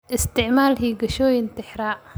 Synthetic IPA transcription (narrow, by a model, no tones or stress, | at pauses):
ʔɪst̪ʰɪʕmaːlɦiːɡɐʃɔːjɪnt̪ʰɪħɾaː